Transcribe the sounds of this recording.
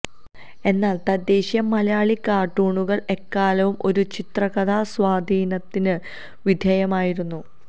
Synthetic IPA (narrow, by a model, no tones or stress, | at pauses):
e̞nːaːlt̪ɐd̪ːe̞ːɕjɐmːɐlɐjaːɭikaːʈːuːɳuɣɐɭe̞kːaːlɐʋumʔo̞ɾut͡ɕit̪rɐɣɐd̪aːswaːd̪ʱiːnɐt̪ːinɨ | ʋid̪ʱjɐjɐmaːjiɾunːu